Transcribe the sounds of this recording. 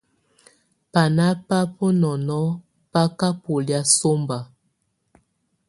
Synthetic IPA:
pa˨na˦pa˦pɔ˦nɔ˨nɔ˦ | pa˦ka˦po˨lja˦so˦mba˨

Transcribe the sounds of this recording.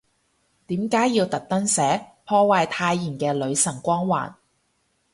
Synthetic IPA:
t̪iː˨˥mkaː˨˥jːiː˧wt̪ɐ˨k̚t̪ɐ˥ŋsɛː˨˥pʰɔː˥waː˧jt̪ʰaː˧jːiː˨˩nkɛː˧lɵ˨˧ɥsɐ˨˩ŋkʷɔː˥ŋwa̰ː˨˩n

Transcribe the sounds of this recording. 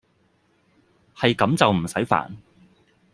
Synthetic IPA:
hɐ˨jkɐ˨˧˥mt͡sɐ˨wm̩˨˩sɐ˨˥jfa̰ː˨˩n

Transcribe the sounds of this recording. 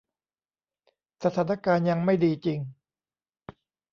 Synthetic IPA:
sa˧˩t̪ʰaː˩˦na˥˧kaː˧nja˧ŋma˥˩jdiː˧t͡ɕi˧ŋ

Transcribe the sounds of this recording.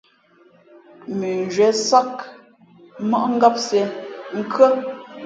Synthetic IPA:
mi˨n˨d͡ʒɥɛ˨˦sa˦k | mɔ˦ʔŋ̩˦ɡa˦p̚se˨ŋ̩˦kə˦

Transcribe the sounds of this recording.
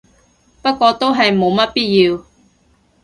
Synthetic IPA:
pɐ˥t̚kʷɔː˧t̪o˥wɦɐ˨jmo˨˧wmɐ˥t̚piː˥t̚jiː˧w

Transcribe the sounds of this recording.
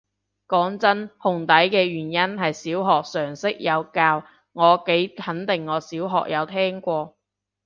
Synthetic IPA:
kɔː˨˥ŋt͡sɐ˥nhʊ˨ŋt̪ɐ˨˥jkɛː˧ɥyː˨˩njɐ˥nɦɐ˨jsiː˨˥wɦɔː˨k̚sœː˨˩ŋsɪ˥k̚jɐ˨˧wkaː˧w | ŋɔː˨˧ke˨˥jhɐ˨˥nt̪ɪ˨˩ŋːɔː˨˧siː˨˥wɦɔ̰ː˨k̚jɐ˨˧wt̪ʰɛː˥ŋkʷɔː˧

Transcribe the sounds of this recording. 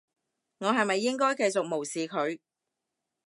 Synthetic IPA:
ŋɔː˨˧ɦɐ˨jmɐ˨jːɪ˥ŋkɔː˥jkɐ˧jt͡sʊ˨k̚mo˨˩wsiː˨kʰɵ˨˧ɥ

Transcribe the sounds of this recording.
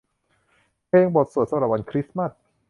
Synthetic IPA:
pʰeː˧ŋbo˨˩t̪̚su˨˩t̪̚sa˧mɾa˨˩p̚wa˧nkʰɾi˦˥sma˥˩t̚

